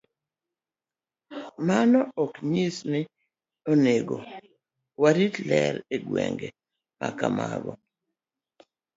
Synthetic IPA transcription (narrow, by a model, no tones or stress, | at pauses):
manɔɔkɲisnɪ | oneɡo | waɾitlɛɾeɡwɛŋɡe | makamaɡɔ